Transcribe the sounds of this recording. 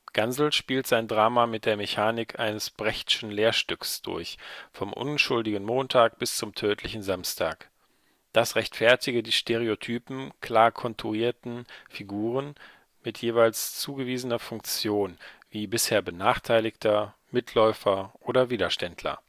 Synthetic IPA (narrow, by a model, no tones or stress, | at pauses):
ɡ̥anzl̩ʃpiːltz̥aɪndʁaːmamɪt̚d̥eːɐmeçaːnɪkʰʔaɪnəsb̥ʁɛçtɪ̥ʃn̩leːɐʃtʏksd̥ʊ̰ɐçfɔmʔʊ̰nʃʊldɪɡən̩moːntʰaːk̚b̥ɪst͡sʊmtʰøːtʰlɪçn̩zamstʰaːk | d̥asʁɛçtfɛɐtɪɡədiːʃtʰeʁ̞eotʰyːpm̩kʰl̥aːɐkʰɔntʰuiːɐtn̩fiɡuːʁ̞ən | mɪtʰjeːvaɪlst͡suːɡəviːzənɐfʊŋkt͡sjoːnv̥iːbɪsheːɐbənaːχtʰaɪlɪçtʰɐ | mɪtʰlɔʏfɐʔoːɾɐviːdɐʃtɛndʰlɐ̰